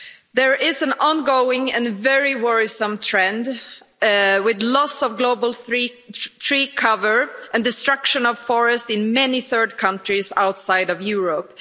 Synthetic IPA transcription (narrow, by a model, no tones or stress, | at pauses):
ðə˞ʔɪzə̃nɑ̃nɡoʊɪ̃ŋɨ̃nvɛɹiwɔɹisə̃mt̪ʰɹ̥ɛ̃nd | wɪðlɔsʌvɡloʊbəl̩ˠɹi | θɹiːkʰʌvə˞ʔɨ̃ndɨstɹ̥ʌkʃɨ̃nʌv̥fɔɹɨstɨ̃nmɛniθɜ˞d̚kʰʌ̃ntɹ̥izaʊtsaɪɾʌvjuɹəp